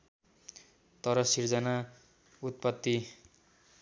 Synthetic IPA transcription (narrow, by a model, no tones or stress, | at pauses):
t̪ʌɾʌsird͡zʌna | ut̪̚pʌt̪ːi